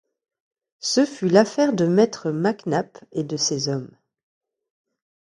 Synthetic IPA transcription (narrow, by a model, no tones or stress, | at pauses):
səfylafɛʁd̪əmɛt̪χəmaknaped̪əsezɔm